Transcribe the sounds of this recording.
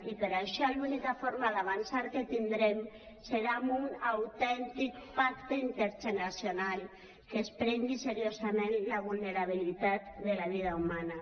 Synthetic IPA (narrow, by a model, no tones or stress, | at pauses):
ipeɾaʃɔlunikafoɾmaðaβ̞ansaɾket̪ind̪ɾɛm | seɾamunawt̪ɛnt̪ik̚pakt̪eint̪eɾʒenasjonal | kespɾɛŋɡiseɾiozamẽnlaβ̞ulneɾaβ̞ilit̪at̪ðelaβ̞ið̞aumana